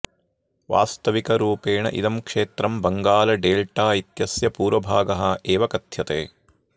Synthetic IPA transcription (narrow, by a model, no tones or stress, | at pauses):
ʋa̰ːst̪ɐʋikɐɾuːpeːɳɐ̰ʔḭd̪ɐmkʂeːt̪ɾɐmbɐŋɡaːlɐɖeːlʈaːit̪jɐsjɐpuːɾʋɐbʱaːɡɐɦɐeːʋɐkɐt̪jɐt̪eː